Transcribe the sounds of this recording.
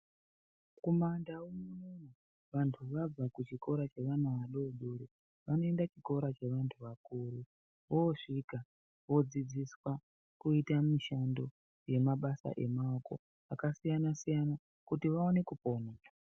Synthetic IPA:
komandaumunona | ʋantʰuʋab͡vakut͡ʃiko̞ɾat͡ʃe̞ʋanaʋaɗoɗuɾe | ʋano̞e̞ndat͡ʃiko̞ɾat͡ʃe̞ʋantʰuʋakuːɾu | ʋoʂika | ʋo̞d͡zid͡ziswa | kuitamiʃando̞ | je̞maɓasa̰ʔe̞maoko̞̰ | akasijanasijana | kutiʋao̞ne̞kupo̞meka

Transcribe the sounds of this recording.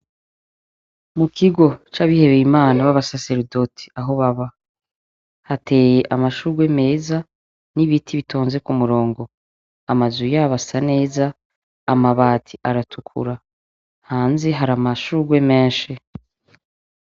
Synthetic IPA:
mukʰiɡo̞t͡ʃaβihe̞βejimaːnaβaβasase̞ɾido̞tʰi̥aɦo̞βaβa | hate̞ːjeʔamaʃuːɾɡwe̞me̞ːza | niβitʰiβitʰoːnze̞kumuɾo̞ːŋɡo̞ | amazujaβasane̞ːzaː | maβaːtʰiʔaɾatʰukʰṵɾa | haːnzeɦaɾamaʃuːɾɡwe̞meːnʃi

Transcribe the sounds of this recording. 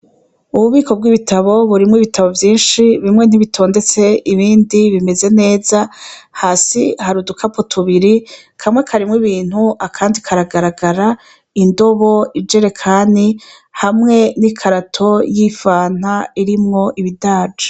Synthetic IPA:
uβuβiːko̞b̚ɡiːβitʰaβo̞βuɾimŋwiβitʰaβo̞vjiːnʃiβimŋe̞n̥iβitʰo̞ːnde̞t͡se̞iβiːndiβime̞ze̞ne̞ːzahasihaɾudukʰapotʰuβiɾi | kʰamŋekʰaɾimŋiβiːn̥huʔakʰaːndikʰaɾaɡaɾaɡaɾa | indo̞βo̞id͡ʒe̞ɾe̞kʰaːni | hamŋe̞nikʰaɾatʰo̞jifaːn̥aiɾimŋo̞ʔiβidaːd͡ʒe̥

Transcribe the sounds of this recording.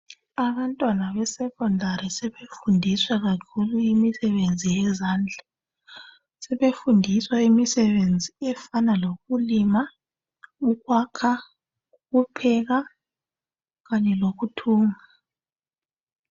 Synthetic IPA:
aβantʼwanaβɛsɛkʼɔndʱaɾisɛβefundʱiswaɣakʰuluimisɛβend͡zʱijɛzaːnd͡ɮʱa | sɛβefundʱiswaimisɛβend͡zʱiɛfanaloɣulima | uɣwakʰa | uɣupʰɛɣa | ɣaɲɛloɣutʰuːŋa

